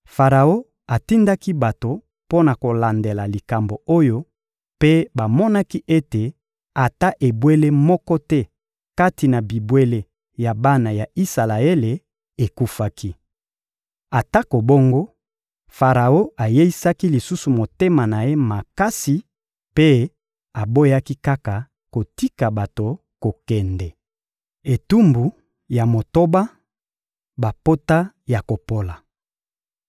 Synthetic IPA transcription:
fa˨ʁa˨o˦ | a˨ti˦nda˦ki˦ba˨to˨ | po˦na˨ko˨la˨nde˨la˨li˨ka˨mbo˨o˦jo˦ | pe˦ba˨mɔ˦na˦ki˦ʔe˦te˨ | a˨ta˦ʔe˨bwe˦le˦mɔ˦kɔ˦tɛ˦ | ka˦ti˨na˨bi˨bwe˦le˦ | ja˨ba˦na˨ja˨i˦sa˨la˨e˦le˨ | e˨ku˦fa˦ki˦ | a˨ta˦ko˨bo˦ŋɡo˦ | fa˨ʁa˨o˦a˨je˦i˦sa˦ki˦li˨su˦su˨mo˨te˦ma˨na˨je˦ma˨ka˦si˨ | pe˦ | a˨bo˦ja˦ki˦ka˦ka˨ | ko˨ti˦ka˨ba˨to˨ | ko˨kɛ˨ndɛ˨ | e˨tu˦mbu˨ | ja˨mo˨to˦ba˦ | ba˨po˦ta˦ | ja˨ko˨po˦la˨

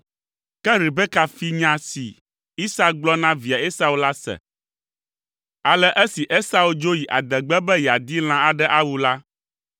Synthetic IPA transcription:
kɛ˦ɾi˨bɛ˦ka˨fi˦ɲã˨sḭ˨ | i˦sa˦ɡ͡blɔ˦nã˦vi˨a˨e˦sa˨wu˦la˦sɛ̰˨ | a˨lɛ˦ʔɛ˦si˨ʔe˦sa˦wu˦d͡ʒo˦ji˨ʔa̰˨d̪ɛ˨ɡ͡bɛ˦bɛ˦jɛ˨a˨d̪i˦l̃ã˦a˨ɖɛ˦ʔa˦wu˨la˦

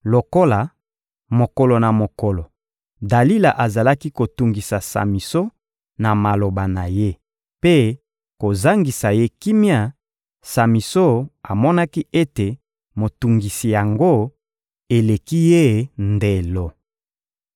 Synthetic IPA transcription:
lo˨ko˦la˨ | mo˨ko˨lo˨na˨mo˨ko˨lo˨ | da˨li˦la˨ʔa˨za˨la˦ki˦ko˨tu˨ŋɡi˨sa˨sa̰˨mi˨so˦ | na˨ma˨lo˨ba˨na˨je˦ | pe˦ | ko˨za˦ŋɡi˨sa˨je˦ki˦mja˦ | sa˨mi˨so˦a˨mɔ˦na˦ki˦e˦te˨ | mo˨tu˨ŋɡi˨si˨ja˨ŋɡo˦˨ | e˨le˨ki˦je˦nde˨lo˨

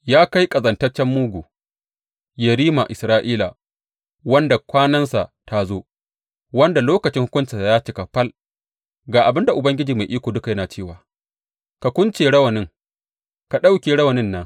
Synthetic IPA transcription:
jaː˦ka˦jkʼɐ˨zɐ˨ntɐ˦rt͡ʃːɛ˦mːuː˦ɡʷuː˨ | jɛ˨ɾiː˦ma˨ʔɪ˨sɾaː˦ʔiː˦la̰˨ | wɐ˦nda˨kʷaː˦nɐ˦nsa̰˨ta˦zoː˦ | wɐ˦nda˨loː˦kɐ˨t͡ʃɪ˦ŋhʊ˦kʷʊ˦nt͡ʃɪ˨a˨jaː˦t͡ʃɪ˦ka˨ɸɐ˦l | ɡaː˨ʔa˨bɪ˦nda˨ʔʊ˨bɐ˦ŋɡʲɪ˦d͡ʒiː˨ma˨jʔiː˦kʷoː˨dʊ˦ka˨jɐ˦naː˨t͡ʃeː˦˨waː˨ | ka˨kʷʊ˦nt͡ʃeː˨ɽɐ˦wɐ˨nɪ˦ŋ | ka˨ɗa˦wkʲeː˨ɽɐ˦wɐ˨nɪ˦nːa˦

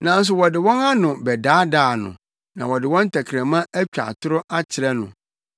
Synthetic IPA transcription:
nã˨n̩˦s̬ʊ˨wɔ˨dɪ˨wɔ̃˦na˦nʊ̃˨bɛ˨daː˨˦daː˨nʊ̰̃˨ | nã̰˨wɔ˨dɪ˨wɔ̃˦n˦tʰa˨kʰɾæ̃˨mã˦æ˦t͡ɕᶣa̰˨tʰʊ˦ɾʊ˦ʔa˦t͡ɕʰɪ˨ɾɛ˦nʊ̰̃˨

